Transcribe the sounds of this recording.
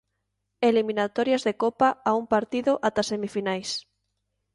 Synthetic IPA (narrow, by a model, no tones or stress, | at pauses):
eliminat̪ɔɾjɐzðekɔpaauŋpaɾt̪iðʊʔat̪asemifinajs